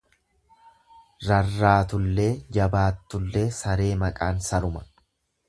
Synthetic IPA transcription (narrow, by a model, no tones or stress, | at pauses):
ɾɐrːaːt̪ʊlːe̞ːd͡ʒɐbaːt̪ːʊlːe̞ːsɐɾe̞ːmɐkʼaːnsɐɾʊmɐ